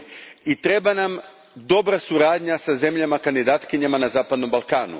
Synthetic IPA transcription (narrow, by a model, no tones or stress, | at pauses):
it̪ɾebanam | d̪o̞bɾasuɾaːd̪ɲasaze̞mʎamakand̪id̪aːt̪kiɲamanazaːpad̪no̞mbalˠkaːnṵ